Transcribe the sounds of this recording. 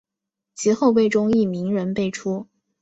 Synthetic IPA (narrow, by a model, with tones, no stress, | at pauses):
t͡ɕʰi˧˥xo˥˧ʊpe˥˩ɪʈ͡ʂʊ˥ŋi˥˩mi˧˥ŋɻə˧˥npe˥˩ɪʈ͡ʂʰu˥